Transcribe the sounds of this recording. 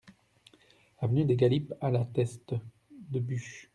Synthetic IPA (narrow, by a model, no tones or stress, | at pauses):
lavənyd̪eɡalipalat̪ɛst̪ | d̪əbyʃ